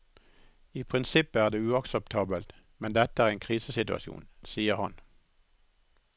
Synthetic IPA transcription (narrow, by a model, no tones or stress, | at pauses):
iːpʰʁɪnsɪpəæːʁd̪eːʉːɑksəp̚t̪ʰɑːbəlt̪ | mɛnd̪ɛt̪əæːʁeːnkʰʁiːsəsɪt̪ʉɑ̰ʃjṵːnsiːəʁhɑn